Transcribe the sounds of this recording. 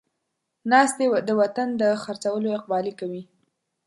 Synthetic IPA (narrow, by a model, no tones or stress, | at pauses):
nɑst̪ed̪əwat̪and̪əxaɾt͡sawəloɪq̚bɑlikawi